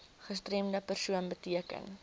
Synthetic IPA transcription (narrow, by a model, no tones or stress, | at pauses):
χəstremdəpərsuənbətiəkə̰n